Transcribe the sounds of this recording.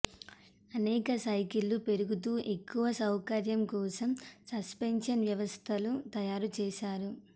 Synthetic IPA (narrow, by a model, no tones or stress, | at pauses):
ɐnɛːkɐsɐjkilːupe̞ɾuɡut̪̬uːʔe̞kːuʋɐsɐwkɐɾjɐmkɔːsɐmsɐspenʂɐnʋjɐʋɐst̪ʰɐlut̪ɐjaːɾut͡ʃɛːʃaːɾu